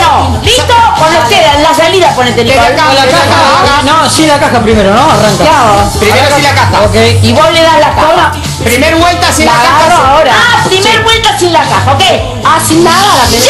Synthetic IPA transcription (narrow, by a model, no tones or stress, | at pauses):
nõ | list̪okonlokeðanlaβaliðaponet̪eniaakalaeaaanosinlakaxapɾimeɾonoaraŋkaaɾopɾimmeɾosilakaxaokejiβoleðalataoma | pɾimeɾβwelt̪asĩnakaaoaoɾaapɾimeɾβwelt̪asinlakaxaokej | asinːaðalapes